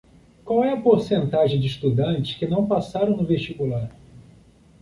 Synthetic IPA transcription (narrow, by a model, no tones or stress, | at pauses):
kwawɛɐpoɾsẽnt̪aʒẽj̃d͡ʒɪist̪ud̪ɐ̃nt͡ʃɪ̥skɪnɐ̃w̃pasaɾɐ̃w̃nʊveʃt͡ʃikulaɾ